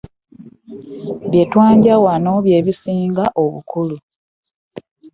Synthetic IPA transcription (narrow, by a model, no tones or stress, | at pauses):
βje̞twaːɲɟawano̞βje̞ːβisiːŋɡaʔoβṵkʰulu